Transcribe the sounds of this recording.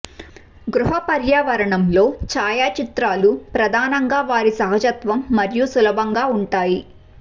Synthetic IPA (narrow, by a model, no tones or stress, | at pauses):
ɡɾuɦɐpɐɾjaːʋɐɾɐɳɐmlo̞ːt͡ʃaːjaːt͡ʃit̪ɾaːlupɾɐd̪ʱaːnɐŋɡaːʋaːɾisɐɦɐd͡ʒɐt̪ʋɐmːɐɾjusulɐbʱɐŋɡaːuɳʈaːji